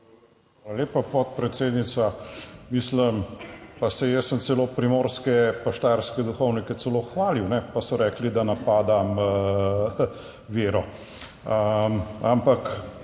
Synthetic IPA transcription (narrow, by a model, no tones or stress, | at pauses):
ʋaːlaleːpapɔt̪̚pɾɛt̪seːd̪nit̪samisləmpasɛjɛssəmt̪sɛloːpɾimoːɾskɛpaʃt̪aɾskɛd̪uxɔwnikɛt̪sɛloxʋaːliwnɛpasɔɾɛːklid̪anapaːd̪am | ʋeːɾɔ | əmampak